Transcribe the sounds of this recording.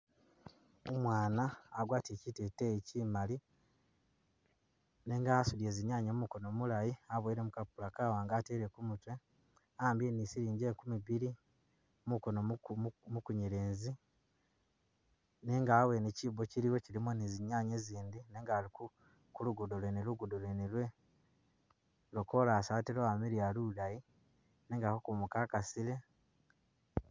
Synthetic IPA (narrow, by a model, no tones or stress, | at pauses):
omwaːnaːɡwaːtecitetecimali | ne̞ŋɡaːsulie̞ziɲaːɲomumuko̞nomulajiaβweɾemukapːulakaːwaːŋɡaːteːɾe̞kumutwe̞ | aːmbjenisiɾiːɲɟekumiβiɾi | muko̞nomukuɲiɾeːnzi | neŋɡawe̞necibo̞ciɾiwo̞cilimoniziɲaːɲeziːnd̪ineːŋɡaːliku | kuluɡudolweneluɡudolwenilwe̞ | lokolaːsaːtiɾoamiɾialulaji | neŋɡahokumukaːkasile̞